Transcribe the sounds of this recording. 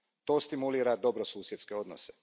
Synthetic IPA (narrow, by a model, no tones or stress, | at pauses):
t̪o̞ːst̪imuliːɾad̪o̞bɾosuːsjet̪ske̞o̞d̪no̰se